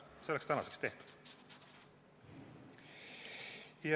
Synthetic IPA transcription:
selekst̪ænɑ̰sekst̪eht̪u̥d̪̥ | jɑ

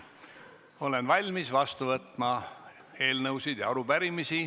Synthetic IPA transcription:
o̞le̞nvɑlʲmisvɑst̪uvɤt̪ˑmɑ | e̞ːlnɤwsid̪̥jɑ̰ɑɾub̥æɾimisi

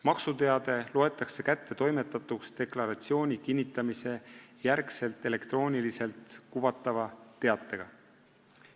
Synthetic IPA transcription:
mɑksut̪e̞ɑd̪̥e̞loe̞t̪ːˑɑkse̞kæt̪ːe̞t̪o̞jme̞t̪ːˑɑt̪ːˑuksd̪e̞klɑɾɑt̪sio̞ːnʲikinʲːit̪ˑːɑmise̞jæɾkse̞lt̪ˑe̞le̞kt̪ro̞ːnʲilise̞lt̪ˑkuvɑt̪ːˑɑvɑt̪e̞ɑt̪ːˑe̞ɡ̥ɑ̰

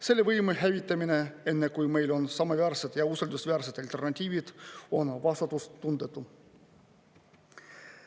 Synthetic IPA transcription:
se̞lːe̞vɤjmuɦævit̪ːˑɑmine̞e̞nːe̞kujme̞jlo̞nsɑmɑvæːrsed̪̥jɑuseld̪usvæːrset̪ɑlt̪ˑe̞rnɑt̪ʲiːvid̪̥o̞nvɑst̪ɑt̪ːˑust̪ːund̪̥et̪ːˑu

